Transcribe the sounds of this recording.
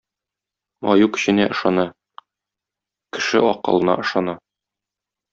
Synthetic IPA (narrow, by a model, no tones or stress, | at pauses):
ɒ̰jukɘ̥̆ɕɘ̆næʔɤ̆ʃɑnɑ | kɘ̆ʃɘɒqɤ̰̆lˠɤ̆nɑ̰ɤ̆ʃɑnɑ